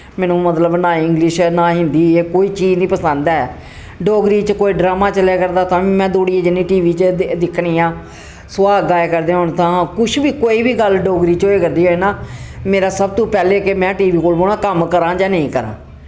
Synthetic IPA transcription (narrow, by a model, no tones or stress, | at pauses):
mɛːnũːmət̪ləbnaːɪ̃ŋɡlɪʃnãːɦɪ̃nd̪iːeːkoːiːt͡ʃiːd͡ʒnĩːpəsənd̪aːɛː | ɖoːɡɾiːt͡ʃəkoːiːɖɾaːmaːt͡ʃəleːkəɾd̪aːt̪ãːʋiːmɛ̃ːd̪oːɽieːd͡ʒɪnːĩːʈiːʋiːt͡ʃd̪ɪkʰːɽiːãː | sʊaːɡaːekəɾd̪ẽːɦʊɳt̪ãːkʊʃʰbiːkoːiːbiːɡəlɖoːɡɾiːt͡ʃoːeːkəɾd̪iːɦoːeːnaːmeːɾaːsəb̚t̪ũːpɛːleːkemɛ̃ːʈiːʋiːkoːlboːɽ̃ãːkəmkəɾãːd͡ʒaːnəĩːkəɾã̰ː